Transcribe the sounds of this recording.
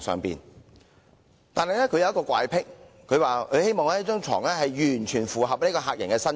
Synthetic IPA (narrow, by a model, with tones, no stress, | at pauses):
sœ̰ː˨ŋpḭː˨˩n | t̪aː˨nhɐ˨jlɛ˥kʰɵ˨˧ɥjɐ˧wjɐ˥kɔː˧kʷwʷa̰ː˧jpʰɪ˥k̚ | kʰɵ˨˧ɥwaː˨kʰɵ˨˧he˥jmɔː˨ŋlɛ˥t͡ʃœː˥ŋt͡ʃʰɔ̰ː˨˩ŋɛ˥ɦɐ˨jjyː˨˩nt͡ʃʰyː˨˩nfuː˨ɦɐ˨p̚ni˥kɔː˧ɦaː˧k̚jɐ˨˩nkɛː˧sɐ˥n